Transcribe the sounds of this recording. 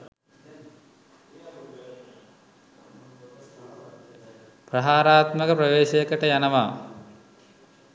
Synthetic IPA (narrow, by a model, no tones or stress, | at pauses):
prɐɦaːɾaːt̪məkəpɾɐʋeːʃəjəkəʈəjanəʋaː